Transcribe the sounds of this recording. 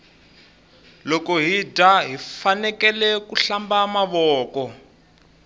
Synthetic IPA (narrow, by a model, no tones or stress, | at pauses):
lɔkɔɦidʱaɦifanɛkɛlɛkuɬambamaβɔːkɔ